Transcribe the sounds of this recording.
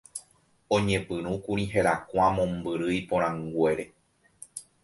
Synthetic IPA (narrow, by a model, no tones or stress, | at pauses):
õɲẽ̞pɨ̃ɾ̃ũkũɾĩɦeɾakʷamõmbɨɾɨipõɾ̃ãŋɡwe̞ɾe̞